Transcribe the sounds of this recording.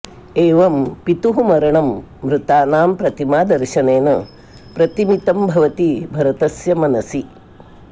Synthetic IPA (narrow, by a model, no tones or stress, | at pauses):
eːʋɐmpit̪uɦumɐɾɐɳɐmːɾut̪aːnaːmpɾɐt̪imaːd̪ɐɾʃɐneːnɐ | pɾɐt̪imit̪ɐmbʱɐʋɐt̪ibʱɐɾɐt̪ɐsjɐmɐnɐsi